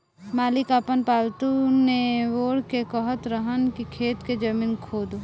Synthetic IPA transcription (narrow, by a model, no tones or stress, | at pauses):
maːlɪkaːpənpaːlt̪uneʋoːɽkekəɦət̪ɾəɦənkikʰeːt̪ked͡ʒɐmiːnkʰoːd̪o